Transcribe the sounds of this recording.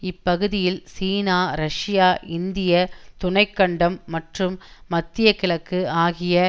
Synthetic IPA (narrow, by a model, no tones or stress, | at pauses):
ɪpːɐɣɯðɪjɪlsiːnaːɾɐʂɪjaːʔɪnd̪ɪjɐt̪ʊɳɐɪkːɐɳɖɐmːɐʈrɯmːɐt̪ːɪjɐkːɪɭɐkːɯaːɣɪjɐ